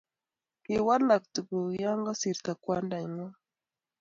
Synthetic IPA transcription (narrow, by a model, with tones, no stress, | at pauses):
ki˨wa˦la˨k̚t̪u˨ku˨ja˦ŋɡa˦si˨ɾt̪a˨kwa˦nda˨ŋa˦